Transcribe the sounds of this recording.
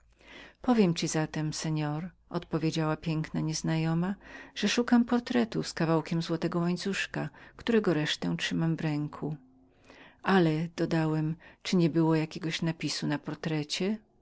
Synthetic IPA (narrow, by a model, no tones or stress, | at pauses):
pɔvʲjɛmt͡ɕizat̪ɛmsɛɲɔɾ | ʔɔ̰t̪pɔvʲjed͡ʑawapʲjɛŋknaɲɛznajɔmaʐ̥ɛʂukampɔɾt̪ɾɛt̪uskavawkʲɛmzwɔt̪ɛɡɔwaɲt̪suʂkakt̪uɾɛɡɔɾɛʂt̪ɛ̃tʂɘmamvɾɛŋkʰu | alɛd̪̥ɔd̪awɛmt͡ʂɘɲɛbɘwɔjakʲɛɡɔɕnapʲisunapɔɾt̪ɾɛt͡ɕɛ